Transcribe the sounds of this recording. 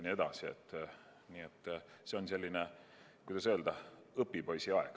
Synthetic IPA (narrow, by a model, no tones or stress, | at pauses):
nʲie̞d̪̥ɑsiḛt̪ːˑ | niːet̪ːse̞o̞nse̞lʲːine | kujd̪ɑsø̞ːld̪̥ɑ | ɤpːipo̞jsiɑeɡ̥